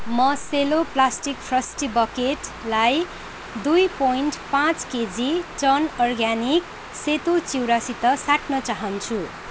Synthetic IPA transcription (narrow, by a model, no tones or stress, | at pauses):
mʌseloplasʈikpʰrʌsʈibʌkeʈ | laj | d̪ujpojnʈpãt͡sked͡zit͡sʌnɔrɡanik | set̪ot͡siwɾasit̪ʌsaʈnʌt͡saɦʌnt͡sʰu